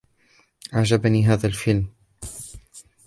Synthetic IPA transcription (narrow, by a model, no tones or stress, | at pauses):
ʔaʕd͡ʒabaniːɦaːðalfɪlm